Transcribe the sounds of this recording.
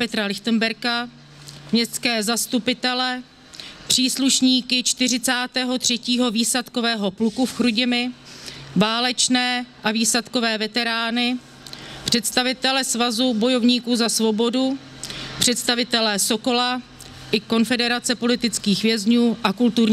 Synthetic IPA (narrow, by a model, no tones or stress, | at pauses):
pɛt̪ɾalɪxt̪ənbɛɾka | mɲɛst̪skɛːzast̪upɪt̪ɛlɛ | pr̝̥iːsluʃɲiːkɪt͡ʃt̪ɪr̝ɪt͡saːt̪ɛːɦo̞t̪r̝̥ɛciːɦo̞viːsat̪ko̞vɛːɦo̞plukufxɾuɟɪmɪ | vaːlɛt͡ʃnɛːʔaviːsat̪ko̞vɛːvɛt̪ɛɾaːnɪ | pr̝̥ɛt̪st̪avɪt̪ɛlɛsvazubo̞jo̞vɲiːkuːzasvo̞bo̞du | pr̝̥ɛt̪st̪avɪt̪ɛlɛso̞ko̞la | ʔɪko̞nfɛdɛɾat͡sɛpo̞lɪt̪ɪt͡skiːxvjɛzɲuːʔakult̪uɾɲ